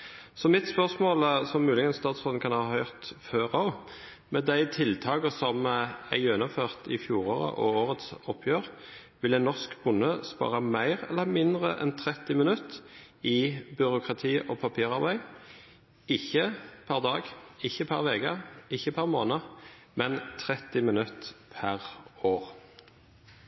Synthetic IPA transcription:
sɔmɪt̪spœʁsmoːlsɔmːʉːlɪɡənst̪ɑːt̪sfɔln̩kʰɑnhɑːhœʏʁt̪føːʁɑ | mɛd̪æɪt̪ʰɪlt̪ʰɑːkəsɔmæjɛnʊføːʁt̪ʰɪfjuːʁoːʁə̰ʔɔ̰oːʁət̪sɔpʰjøːʁ | ʋɪlæɛnɔʁskbʊnːəspɑ̰ːʁɑmæɪʁɛ̰lːəmɪnd̪ʁə̰ʔɛ̰nt̪ʰʁɛt̪ːɪmənʉt̪ɪbʏʁʊkʁɑt̪ʰiːʔoːpʰɑpʰiːʁɑʁbæɪ | ɪçːəpʰæʁd̪ɑːɡɪçːəpʰɑʁʋɛːkəɪçːəpʰɑʁmoːnə | mɛnt̪ʰʁɛt̪ɪmɪnʉt̪pʰæʁoːʁ

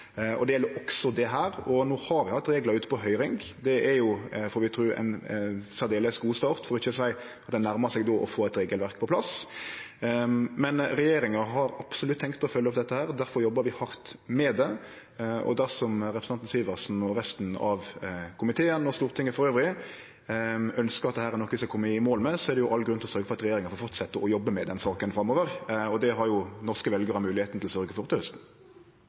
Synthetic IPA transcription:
ɔ̰d̪ɛjɛlːəɾɔksɔd̪ɛɦæːɾɔnoːhɑɾʋɪhɑt̪ːɾeːɡlɑʉːt̪ə̥pʰɔɦœʏɾɪŋɡd̪ɛʔæɾjʊfɔːɾʋɪt̪ʰɾʉːɛ̰ɪnsæɾd̪eːləsɡuːst̪ɑːɾt̪fɔɾɔɪçːəsæɪ | ʔɑt̪d̪ɛɪnæɾməsɛɪɡd̪oːʔɔfoːɛt̪ɾeːɡəlʋæɾk̚pʰɔpʰlɑs | mɛnɾɛjeːɾɪŋəɦɑɾɑpsʊlʉt̪ːʰɛŋkt̪ɔfœlːəɔp̚d̪ɛt̪ːəhæːɾd̪æɾfɔɾjɔbːəɾʋɪhɑɾt̪mɛd̪ɛ | ɔ̰d̪æɾsɔmɾɛpɾəsnɑnnsiːʋəɾsnɔɾɛst̪nɑ̰ʋkʰʊmɪt̪ʰeːənɔst̪uːɾət̪ɪŋːəfɔɾøːʋɾɪ | œnskəɾɑt̪d̪ɛhæːɾɛɾnɔkːəʋɪskɑkʰɔmːəɪmoːlmɛsɔɛɾd̪ɛjʊʔɑlːɡɾʉnt̪ɪlɔsœɾɡəfɔɾɑt̪ɾɛjeːɾɪŋəɾfɔɾfɔɾt̪sɛt̪ːəʔɔjɔbːəmɛd̪ɛnsɑːkənfɾɑmoːʋəɾɔd̪ɛɦɑɾjʊnɔʁskəʋɛlɡəɾhɑmʉːlɪheːt̪nt̪ʰɪlsœɾɡəfɔɾt̪ʰːœst̪n̩

